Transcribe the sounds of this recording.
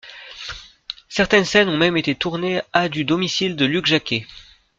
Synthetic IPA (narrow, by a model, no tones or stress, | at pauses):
sɛʁt̪ɛnsɛnɔ̃mɛmet̪et̪uʁnead̪yd̪ɔmisild̪əlykʒakʲe